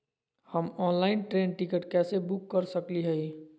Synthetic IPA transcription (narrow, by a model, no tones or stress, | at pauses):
həmɔ̃ːnlaɪnʈɾẽnʈikəʈkɛsebukːəɾsəkliɦəi